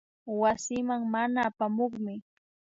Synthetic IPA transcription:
wasɪmaŋmanaːpamoχmɪ

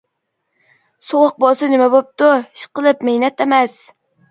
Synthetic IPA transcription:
soʁəq̚bɑsɪnɪmɛbop̚t̪ʊiʃqəlˠɨpmehnɛt̪emɛs

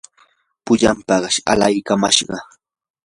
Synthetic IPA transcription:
pʊʎampɑɢʃa̰lajkama̰ʃɢɑ

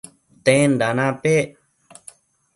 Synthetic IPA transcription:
t̪ẽːnd̪aːnaːpeː

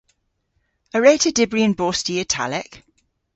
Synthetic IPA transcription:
əɹeɪtʰədɪbɹiə̃nbɔːˑstiətʰa̰lɪk

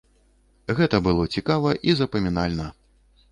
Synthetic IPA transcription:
ɣɛt̪ɐbɨlˠɔt͡sʲikavɐʔizɐpɐmʲinalʲnɐ

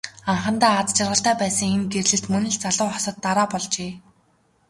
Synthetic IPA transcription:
aɴχə̆nt̪æːat͡st͡ɕʰarʁə̆ɬt̪æːpæːsə̆ŋenɡerɮɘ̆ɬt̪mɵnɘ̆ɮt͡saɮʊːχɔsə̆t̪ːaɾaːpɔɮt͡ɕeː

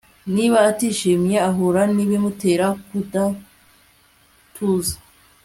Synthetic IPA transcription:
niβaːtiːʃiːmjeaɦoɾaniβimuteːɾakuda | tʰuːzḁ

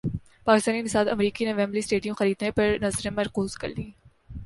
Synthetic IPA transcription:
paːkɪst̪aːninɪsaːd̪ɐ̰mɾiːkineʋɛːmlisʈeːɖijõxɐɾiːd̪nepɐɾnɐzɾẽmɐɾkuːzkɐ̰ɾliː

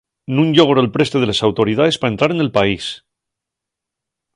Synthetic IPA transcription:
nũnʝoɣoɾolpɾe̞st̪e̞ð̞e̞lesawt̪o̞ɾið̞aðe̞spaent̪ɾaɾe̞ne̞lpais

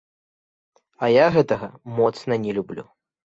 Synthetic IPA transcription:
ɐjaɣɛt̪ɐɣɐmɔt̪snɐnʲɛlʲublʲṵ

